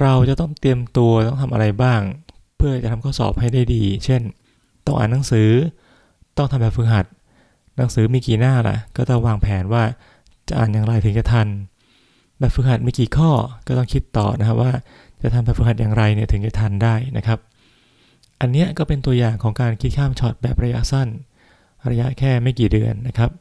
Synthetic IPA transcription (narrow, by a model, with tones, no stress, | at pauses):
ɾa˧wt͡ɕa˨˩t̪ɔ˥˩ŋt̪i˧əmt̪u˧ɐt̪ɔ˥˩ŋt̪ʰa˧mʔa̰˧ɾa˧jbaː˥˩ŋ | pʰɯ˥˩t͡ɕt͡ɕa˨˩t̪ʰm˧kʰːsɔ̰ː˨˩p̚ha˥˩jdaː˥˩jdiː˧t͡ɕʰe˥˩n | t̪ɔ˥˩ŋʔa̰ː˨˩nːa˩˦ŋsɯː˩˦ | t̪ɔ˥˩ŋt̪ʰa˧mbɛː˨˩pfɯː˨˥ɦa˨˩t̪̚ | na˩˦ŋsɯː˨˩˦miː˧kiː˨˩naː˥˩la̰˨˩kɔː˥˩t̪ɔ˥˩ŋwaː˧ŋpʰɛː˩˦nwaː˥˩ | t͡ɕa˨˩ʔaː˨˩njaː˨˩ŋɾa˧jt̪ʰɯ˩˦ŋt͡ɕa˨˩t̪ʰa˧n | bɛː˨˩p̚fʰɯ˨˧˥ha˨˩t̪̚maː˧kiː˨˩kʰɔː˥˩kɔː˥˩t̪ɔ˥˩ŋkʰi˦˥t̪ːɔ̰ː˨˩na˦˥kʰa˦˥waː˥˩ | t͡ɕa˨˩t̪ʰa˧mbɛː˨˩p̚fɯ˨˦˥ha˨˩t̪jaː˨˩ŋɾa˧jni˥˩ɐt̪ʰɯ˩˦ŋt͡ɕa˨˩t̪ʰa˧ndaː˥˩jnʔa˦˥kʰɾa˦˥p̚ | ʔa˧nːi˦˥ɐkɔː˥˩pe˧nt̪u˧ɐjaː˨˩ŋkʰɔː˩˦ŋkaː˧nkʰi˦˥t̪̚kʰaː˥˩mt͡ɕʰɔː˨˩t̪̚bɛː˨˩p̚ɾa˧ja̰˦˥ʔsa˥˩n | ɾa˧ja˦˥ʔkʰɛː˥˩ma˥˩jkiː˨˩dɯ˧ənːa˦˥kʰɾa˦˥p̚